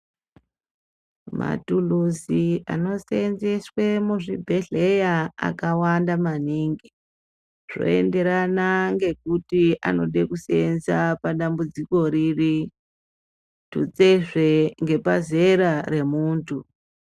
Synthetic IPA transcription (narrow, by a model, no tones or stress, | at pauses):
ma̰tuluzia̰no̞senzeswemuʐibʱe̞ɮe̞jaa̰kawandamaniŋɡi | ʐ̥o̞̰e̞̰nde̞ɾanaŋɡe̞kutia̰no̞̰ɗe̞kusenzapaɗambud͡ziko̞riri | tut͡seʐeŋɡe̞paze̞ɾare̞muːntʰu